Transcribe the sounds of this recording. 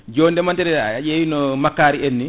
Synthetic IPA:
d͡ʒɔːndɛmantɛɾɛaʄeːwinɔmakːaːɾienːi

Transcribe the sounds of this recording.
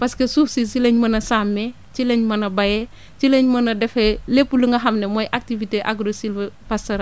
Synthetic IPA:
paskesufsisileɲmɐnɐsamːe | t͡ʃileɲmɐnɐbajɛ | t͡ʃileɲmɐnɐdɛfelepːuluŋɡɐɦamnemojʔak̚tiviteʔaɡɾosilvepastoɾa

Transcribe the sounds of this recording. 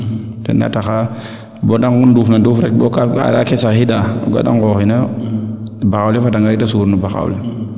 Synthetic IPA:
dɛ̰na̰taxa | bɔdaŋɡunduːfnadufɾɛkbɔkaa̰dakɛsahidaɔ̰ɡa̰da̰ŋɡɔːxinɛ | baxawlifadaŋɡaɡitasuːɾnubaxa̰wli

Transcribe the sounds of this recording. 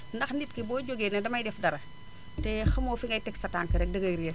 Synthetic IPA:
ndɐxnit̚kibɔːɟoɡeːnɛdɐmɐjdɛfdɐɾɐ | tɛxɐmɔːfiŋɡɐjtɛksɐtaŋkɐɾɛk̚dəɡɐjɾiɐ

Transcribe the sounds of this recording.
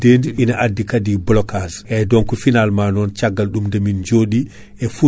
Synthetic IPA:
deːndiʔinaʔadːikadiblɔkazʔɛjdɔŋkufinalmanɔnt͡ʃaɡːalɗumdemind͡ʒoːɗi | ɛfu

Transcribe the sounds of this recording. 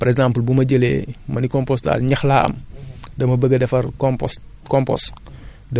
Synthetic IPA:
pɐɾɛɡzãmpəlbumɐɟəlɛ̰ːmɐnikɔmpɔsta̰ɲɐxlaːɐ̰mdɐmɐbəɡədɛfɐrkɔmpɔs | kɔmpɔ̰s | dɐ

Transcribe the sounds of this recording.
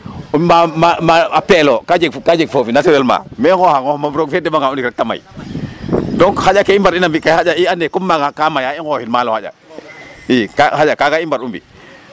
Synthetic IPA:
umamamaapelokad͡ʒeɡkad͡ʒeɡ̚fofinateelma̰meohaŋomabɾoɡfedemaŋaundikɾek̚tama̰ | doŋkhaakeimbaɾinambikaad͡ʒaiandekumːaɡakamajaiŋɡohinmalohaja̰ | ikahajakakaimbaɾumbḭ

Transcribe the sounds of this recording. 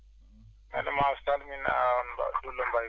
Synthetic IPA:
mɛ̰nɛmastalmina̰nba̰dulɔmba

